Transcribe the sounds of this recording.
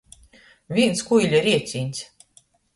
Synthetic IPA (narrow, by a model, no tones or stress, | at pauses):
vʲinskujlʲɛɾʲiɛsʲinʲt̪ʲsʲ